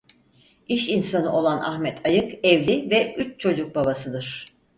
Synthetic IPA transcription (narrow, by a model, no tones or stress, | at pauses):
iʃinsanɯʔo̞lˠanʔa̰xmɛt̪ʰajɯkɛvlʲivɛʔyt͡ʃt͡ʃʰo̞d͡ʒuk̚babasɯd̪ɯɾ̥